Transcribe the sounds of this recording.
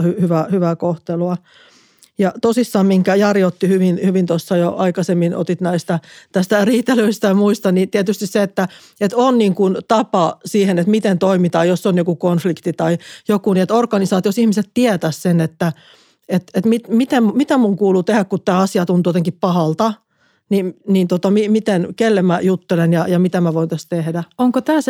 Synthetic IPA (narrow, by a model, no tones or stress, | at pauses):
hyhyʋæhyʋækoht̪eluɑ | jɑt̪osisːɑːmmiŋkæjɑrjot̪ːihyʋinhyʋint̪osːɑjoʔɑikɑsemːino̰t̪it̪næist̪æt̪æst̪æriːt̪ːelyist̪ɑjɑmuist̪ɑnnit̪iæt̪yst̪isseet̪ːæ | et̪onniːŋkunt̪ɑpɑsiːhenet̪mit̪ent̪oimit̪ɑːjosːonjokukonflikt̪it̪ɑijokuniet̪orkɑnisɑːt̪iosihmiset̪t̪iæt̪æssenet̪ːæ | et̪et̪mit̪mit̪emmit̪æmuŋkuːlut̪ehækkut̪t̪æːɑsiɑt̪unt̪ujot̪eŋkippɑhɑlt̪ɑ | ninnint̪ot̪ɑmimit̪enkelːemæjut̪ːelenjɑjɑmit̪æmæʋoint̪æst̪t̪ehdæoŋkot̪æːs